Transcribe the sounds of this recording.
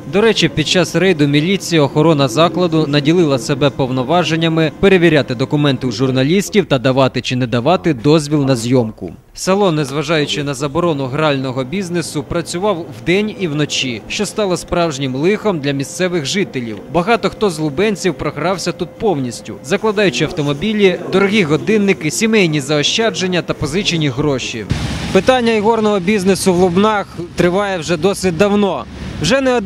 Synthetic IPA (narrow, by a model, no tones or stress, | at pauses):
d̪ɔɾɛt͡ʃipʲid̪̚t͡ʃɑsrɛjd̪ʊmʲilʲit͡sʲijɐɔxɔɾɔnɐzɑklˠɐd̪ʊnɐdʲilˠɪlˠɐsebɛpɔwnɔʋɑʒe̞nʲːɐmɪpe̞ɾe̞ʋʲiɾʲat̪ɪd̪ɔkʊmɛnt̪ɪwʒʊrnɐlʲisʲtʲiwt̪ɐd̪ɐʋɑt̪ɪt͡ʃɪnɛd̪ɐʋɑt̪ɪd̪ɔzʲʋʲilʲnɐzʲjɔmkʊ̰ | sɐlˠɔnɛzʋɐʒɑjʊt͡ʃɪn̪ɐzɐbɔɾɔnʊɦɾɑlʲnɔɦɔbʲiznesʊpɾɐt͡sʲʊʋɑwwd̪ɛnʲiwnɔt͡ʃʲiʃt͡ʃɔst̪ɑlˠɔspɾɑwʒnʲɪmlˠɪxɔmd̪lʲɐmʲist̪sɛʋɪxʒɪt̪elʲḭwbɐɦɑt̪ɔxt̪ɔzlˠʊbɛnʲt͡sʲiwpɾɔɦɾɑwsʲɐt̪ut̪̚pɔwnʲisʲtʲʊ̰zɐklˠɐd̪ɑjʊt͡ʃɪɐwt̪ɔmɔbʲilʲid̪ɔɾɔɦʲiɦɔd̪ɪnːɪkɪsʲimɛjnʲizɐɔʃt͡ʃad͡ʒenʲːɐt̪ɐpɔzɪt͡ʃinʲiɦɾɔʃḭpɪt̪ɑnʲːɐjɦɔrnɔɦɔbʲiznesʊwlˠʊbnɑxt̪ɾɪʋɑjɛwʒɛd̪ɔsʲɪt̚ʲd̪ɐwnɔ | wʒɛnɛɔ